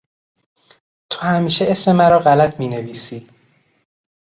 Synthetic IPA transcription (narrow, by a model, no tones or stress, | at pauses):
t̪ʰohæmiːʃeesme̞mæɾɒːɣælæt̪ʰmiːne̞viːsiː